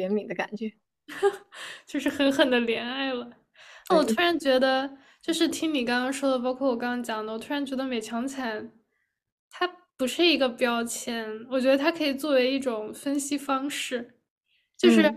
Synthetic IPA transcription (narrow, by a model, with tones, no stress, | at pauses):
jɛ˧˥nmi˨˩d̪ə˦ka̰˨˩nt͡ɕɥɛ˧˥ | t͡ɕjo˥˧ʊʂɻ̩˥˩xə˧˥nxə˨˩nd̪ə˦ljɛ˧˥na˥˩ɪlə˩ | na˥˩wɔ˨˩t̪ʰu˥ɻa˧˥nt͡ɕɥɛ˧˥d̪ə˧ | t͡ɕjo˥˧ʊʂɻ̩˥˩t̪ʰi˥ŋni˨˩kɑ˥ŋkɑ˥ŋʂwɔ˥d̪ə˨p̬ɑ˥ʊkʰwɔ˥˩wɔ˨˩k̬ɑ˥ŋkɑ˥t͡ɕjɑ˨˩ŋd̪ə˦wɔ˨˩t̪ʰu˥ɻa˧˥nt͡ɕɥɛ˧˥d̪ə˧me˨˩ɪt͡ɕʰjɑ˧˥ŋt͡sʰa˨˧˩n | t̪ʰa˥pu˧˥ʂɻ̩˥˩i˧˥ɡə˧pjɑ˥ʊt͡ɕʰjɛ˧˥nwɔ˨˩t͡ɕɥɛ˧˥d̪ə˧t̪ʰa˥kʰɤ˧˥i˨˩t͡swɔ˥˩we˧˥ɪi˥˩ʈ͡ʂʊ˨˩ŋfə˥nɕi˥fɑ˥ŋʂɻ̩˥˩ | t͡ɕjo˥˧ʊʂɻ̩˥˩